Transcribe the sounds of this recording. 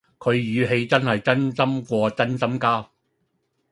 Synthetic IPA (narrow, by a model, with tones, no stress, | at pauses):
kʰɵ˨˧ɥjyː˨˧ɦe˨˧jt͡sɐ˥nhɐ˨jt͡sɐ˥nsɐ˥mkʷɔː˧t͡sɐ˥nsɐ˥mkaː˥